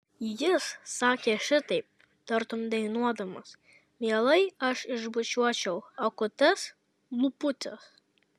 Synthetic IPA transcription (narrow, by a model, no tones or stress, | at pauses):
jɪssɑːkʲeːʃʲɪt̪ɐɪp̚ | t̪ɐɾt̪ʊmd̪ɐɪnuɔd̪ɐmɐs | mʲiɛlˠɐɪɐʃɪʒbʊt͡ʃʲuɔt͡ʃʲɛʊɐkʊt̪ʲɛs | mʊpʊt̪ʲɛs